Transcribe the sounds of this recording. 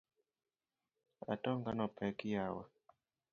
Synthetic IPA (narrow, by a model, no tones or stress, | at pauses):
a̰tɔŋɡanɔpɛkijawa̰